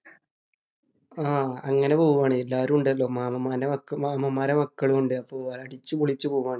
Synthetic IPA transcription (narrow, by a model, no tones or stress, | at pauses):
aːɐŋːɐne̞poːɣuʋaːɳɨelːaːɾumuɳɖɨɐlːo̞ːmaːmɐmaːnɐmɐkːɐmaːmɐmːaːɾɐmɐkːɐɭuuɳɖɨɐpːoːɐɭɐʈit͡ɕːukuɭit͡ɕːupoːuʋaːɳɨ